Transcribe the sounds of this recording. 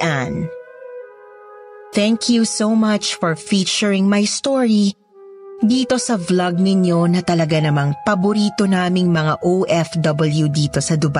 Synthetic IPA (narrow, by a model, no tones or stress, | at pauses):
ʔan | θɛ̃ŋkʰjusowmɐt͡ʃfɔɹfiːt͡ʃʊɹɪŋmɐjst̪oɹi | d̪iːt̪o̞sɐvlɐɡ̚nɪɲo̞nɐt̪ɐlɐɡanɐmaŋpɐbʊɾiːt̪onaːmɪŋmɐŋaʔowʔɛfd̪ɔbɐljud̪iːt̪o̞sɐd̪ʊba